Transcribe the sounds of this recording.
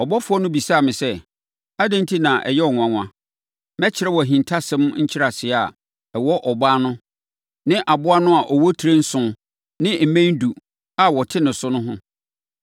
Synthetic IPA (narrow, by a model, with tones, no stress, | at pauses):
ɔ˨bɔ˦fʊ˦ɔ˦nʊ̃˦bi˨saː˦˨mɪ̃˨sɛ˦ | a˦dã˦n˦tʰi˦nã˨ʔɛ̰˨jɛ˦ɔ˨ŋʷ˨ã˨ŋʷ˨ã̰˦ | mɛ˦t͡ɕʰɪ˨ɾɛ˦wɔ˨æ˨ɦĩ˨ntʰa˦sɛ̃˦mɲ̩˦t͡ɕʰɪ˦ɾa˨sɪ˨a˨ | ɛ˨wɔ˦ʔɔ˨baː˦nʊ̃˦ | nɪ̃˦ʔa˨bʊ˦a˦nʊ̃˦a˨ʔɔ˨wɔ˦tʰi˨ɾe˦n̩˦sʊ̃˦ | nɪ̃˦m̩˨mæ̃˦n˦du˨ | a˦wɔ˨tʰɪ˦nɪ̃˨sʊ˦nʊ̃˦ɦʊ̃˦